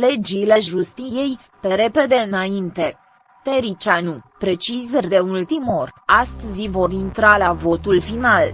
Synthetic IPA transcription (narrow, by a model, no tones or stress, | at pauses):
le̞d͡ʒile̞ʒust̪ije̞j | pe̞ɾe̞pe̞d̪e̞ɨnaint̪e̞ | t̪eɾit͡ʃanupɾe̞t͡ʃizərʲd̪e̞ult̪imo̞rʲast̪əzivo̞ɾint̪ɾalavo̞t̪ulfinal